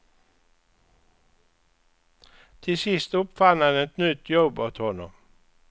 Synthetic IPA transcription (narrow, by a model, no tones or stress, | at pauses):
t̪ʰɪsɪst̪ɔpfɑnɑnɛt̪nʏt̪ʰjɔbot̪hɔnɔ̰m